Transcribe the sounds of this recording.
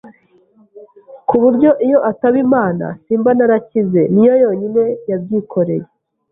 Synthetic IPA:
kuβuɾɟo̞ʔijo̞ʔataβimaːna̰siːmbanaɾacize̞nijo̞jo̞ːɲine̞jab̚ɟiːkʰo̞ɾe̞̰je

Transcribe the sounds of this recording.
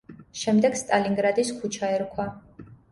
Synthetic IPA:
ʃɛmd̪ɛɡst̪ʼaliŋɡɾad̪iskʰut͡ʃʰaɛɾkʰwa

